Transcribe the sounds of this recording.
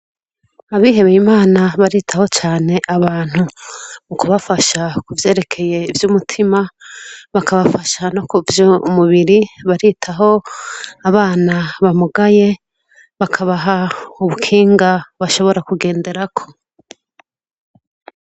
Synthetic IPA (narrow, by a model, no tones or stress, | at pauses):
aβiːɦe̞βejimaːnaβaɾiːtʰaho̞t͡ʃaːne̞ʔaβaːn̥humukuβafaʃakuvje̞ːɾe̞kʰe̞je̞ivjuːmutʰimaβakʰaβafaʃano̞kuvjumuβiɾiβaɾitʰaɦo̞aβaːnaβamuɡaje̞ | βakʰaβaɦauβukʰiːŋɡaβaʃo̞βo̞ɾakuɡe̞ːnde̞ɾakʰo̞